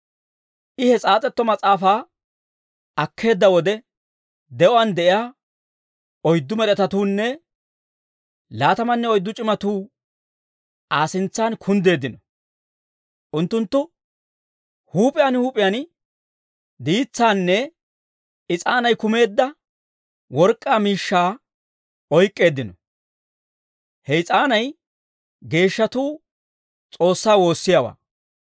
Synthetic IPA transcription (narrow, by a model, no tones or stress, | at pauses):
ʔɪhɛt͡sʼaːt͡sʼɛt̪ːɔmɐt͡sʼaːfaː | ɐkʰːe̞ːd̪ːɐwɔd̪ɛ | d̪ɛʔɔɐnd̪ɛʔɪjaː | ɔjd̪ːʊmɛɾɛt̪ɐt̪uːnːɛ | laːt̪ɐmɐnːɛɔjd̪ːʊt͡ʃʼɪmɐt̪uː | ʔaːsɪnt͡sːaːnkʰʊnd̪e̞ːd̪ɪnɔ | ʔʊnt̪ːʊnt̪ːʊ | huːpʼɪjanhuːpʼɪjan | d̪iːt͡sːaːnːɛ | ɪt͡sʼaːnɐjkʊme̞ːd̪ːɐ | wɔɾkʼːaːmiːʃːaː | ɔjkʼːe̞ːd̪ːɪnɔ | hɛɪt͡sʼaːnɐj | ɡe̞ːʃːɐt̪uː | t͡sʼo̞ːsːaːwo̞ːsːɪjawa̰ː